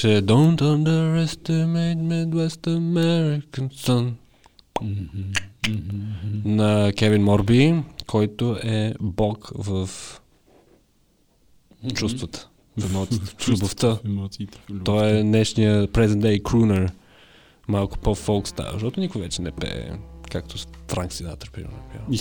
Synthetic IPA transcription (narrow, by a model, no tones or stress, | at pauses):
t͡ʃɛd̪õʊnt̪ə̃nd̪əɾɛst̪əmeɪt̪mɛ̃d̪wɛst̪əmɛɾɪkə̃nsɐn | nɐkɛvinmɔɾbikʰɔjt̪ʊʔɛbɔkvəf | t͡ʃust̪vət̪ə̥ | fɛmɔt̪it̪ə̥xlʲʊboft̪əit̪ɔɛnɛʃnijəpɾɛzɛnt̪ɛjkɾunəɾ | malˠkʊ̥pɔfɔlˠkst̪a̰v̰əʃt̪ɔt̪ʊnikʊvɛt͡ʃɛnɛpɛ̰ɛ̰kak̚t̪ost̪ɾaŋksizat̪əɾpiɾ̰nɐpja̰ɾ